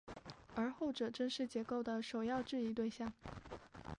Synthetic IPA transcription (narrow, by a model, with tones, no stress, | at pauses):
ə˞˧˥xo˥˩ʊʈ͡ʂɤ˨˩ʈ͡ʂə˥nʂɻ̩˥˩t͡ɕjɛ˧˥ko˥˩ʊd̪ə˩ʂo˨˩ʊjɑ˥˧ʊʈ͡ʂɻ̩˥˧i˧˥t̪we˥˧ɪɕjɑ˥˩ŋ